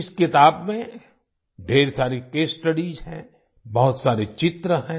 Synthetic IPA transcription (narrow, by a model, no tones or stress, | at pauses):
ɪskɪt̪aːbmẽ | ɖʱeːɾsaːɾekeːsʈəɖizɦɛ̃ | bɔɦʊt̪saːɾet͡ʃɪt̪ɾəɦɛ̃